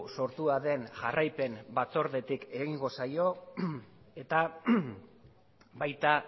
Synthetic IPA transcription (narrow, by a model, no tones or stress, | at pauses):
so̞ɾt̪uaðe̞nʝarajpe̞mbat͡so̞ɾðe̞t̪ike̞ɣiŋɡo̞sajo̞ | e̞t̪a | bajt̪a